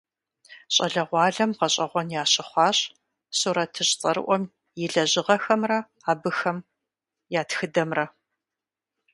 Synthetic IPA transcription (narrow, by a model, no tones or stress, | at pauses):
ɕʼɐɮɐʁʷɑːɮɐmqɐɕʼɐʁʷɔnjaːɕʼɪχʷɑːɕʼ | suɾɐtʰːɨɕʼt͡sʼɐɾɨ̰ʔʷɔm | jɪɮɐʑɪʁɐxɐmrɐ | aːbɨxɐm | jaːtxɨdɐmrɐ